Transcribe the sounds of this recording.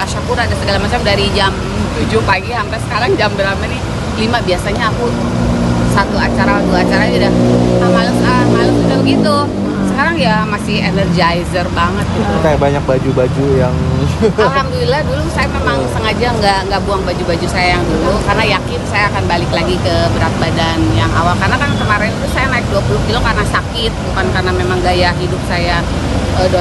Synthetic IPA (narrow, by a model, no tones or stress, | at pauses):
baʃakuɾaːdasəɡalamat͡ʃamdaɾid͡ʒam | t̪ud͡ʒʊhpaɡihampasə̥kaɾaŋd͡ʒambəramanɪh | limabiasaɲaːkut | sat̪uat͡ʃaɾad̪uaat͡ʃaɾadudahamaləmkamaləmud͡ʒamɡit̪u | səkaɾaŋjamasɪhenərd͡ʒajzərbaŋət̪̚tajabaɲak̚bad͡ʒubad͡ʒujaŋaɦamdulilahdulusajamemaŋsəŋad͡ʒaŋɡaŋɡaʔbuaŋbad͡ʒubad͡ʒusajajaŋdulukarnajakɪnsajaːkanbalɪklaɡikəbəɾat̪̚badanjaŋa̰walkarnak̪aŋakəmaɾɪnulusajanaɪk̚duapulʊk̚d͡ʒulukarnasakɪt̪̚bukankarnamemaŋɡajaɦidʊp̚saja | əd